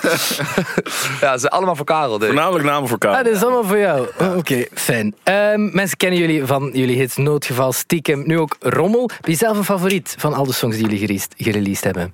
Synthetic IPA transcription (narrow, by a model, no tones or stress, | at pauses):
jazɛnʔɑ̰lˠəmaːlˠvoːkaːɾəl̩ˠdønaːmələknaːməvoːkaːadɑtɪsɑlˠəmaːlˠvoːɹjɔwokeːfɛnəmːɛnsə̥kɛnənjɵlivɑnjəliɦətnoːtxəvɑlˠstikəmnyːoːkrɔməlˠb̥ɪnəzɛlˠfənfɑvoɾitvɑnɑlˠdəsɔŋzdiːjɵliɣəɾiːstɣəɾeliːsthɛbə